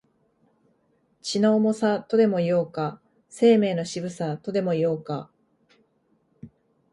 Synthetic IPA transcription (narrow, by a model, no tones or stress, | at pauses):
t͡ɕino̞ːmo̞sat̪o̞d̪e̞mo̞ijo̞ːka | se̞ːme̞ːno̞ɕibɯ̟sat̪o̞d̪e̞mo̞ijo̞ːka